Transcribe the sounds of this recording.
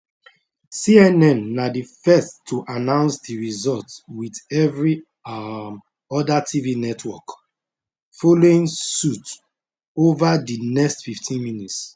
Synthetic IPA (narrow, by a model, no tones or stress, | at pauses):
siɛnɛ̃nːadifɛstʰːuʔanãʊ̃nsdiɹizɔltwidɛvɹi | ɔdatʰivinɛtʰwɔk | foloĩŋsut | ovadinɛkstfiftʰĩnminits